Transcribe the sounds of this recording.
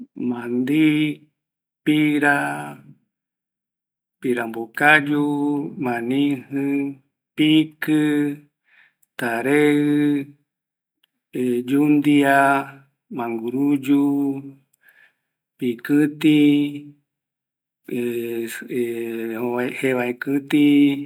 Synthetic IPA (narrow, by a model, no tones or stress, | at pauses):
mãnd̪i | piɾa | piɾambokajumãnĩhɨ̃ | pikɨ | t̪aɾeɨ | ed͡ʒund̪ia | mãŋɡuɾud͡ʒu | pikɨt̪i | ehoaeheβaekɨt̪i